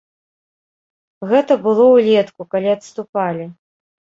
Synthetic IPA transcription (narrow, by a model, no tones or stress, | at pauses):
ɣɛt̪ɐbɨlˠɔwlʲɛt̪kukalʲiɐt̪st̪upalʲi